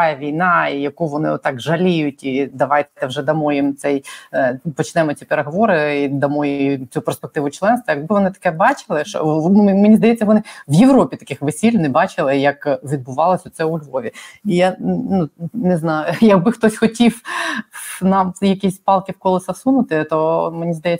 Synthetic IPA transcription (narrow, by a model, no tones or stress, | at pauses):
ajɐʋʲijnɑijɐkuʋɔnɪ̰ɔt̪ːɑkʒɐlʲijʊtʲid̪ɐʋɑjt̪ɛwʒɛd̪ɐmɔjɪmt̪sɛj | pɔt͡ʃnɛmɔt͡sʲipeɾeɦɔʋɔɾɪid̪ɐmɔjjmt͡sʲuperspek̚t̪ɪʋʊt͡ʃlˠɛnst̪ʋɐjɐɡ̚bɪʋɔnɪt̪ɐ̥kɛbɑt͡ʃɪlˠɪʃɔ̰menʲizd̪ɐjɛt͡sʲːɐʋɔnɪʋjeʋɾɔpʲit̪ɐ̥kɪxʋesʲilʲnɪbɑt͡ʃɪlˠɪjɐkʋʲid̪̚bʊʋɑlˠɔsʲʊt̪sɛʊlʲɦɔʋʲiijanunɪznɑjʊjɐɡ̚bɪxt̪ɔsʲxɔtʲiw | nɑmjɐkʲisʲpɑlˠkʲɪwkɔlˠɪsɐsunʊt̪ɪt̪ɔmenʲizd̪ɐjɛ